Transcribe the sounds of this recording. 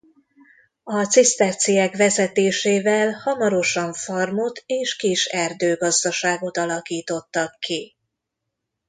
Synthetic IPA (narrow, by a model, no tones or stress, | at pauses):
ɒt̪sist̪ɛrt̪sijɛkʋɛzɛt̪eːʃeːvɛlhɒmɒɾo̞ʃɒɱformot̪ʰeːʃkiʃɛrd̪øːɡɒzd̪ɒʃaːɡo̞t̪ɒlɒkiːt̪o̞t̪ːɒkːi